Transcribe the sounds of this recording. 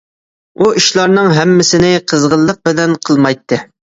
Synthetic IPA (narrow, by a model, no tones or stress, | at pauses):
uiʃlˠɑɾnɨŋɦɛmːɪsɪnɪqʰəzʁəlˠːəq̚bɪlɛnqʰəlˠmɑjt̪ʰːɨ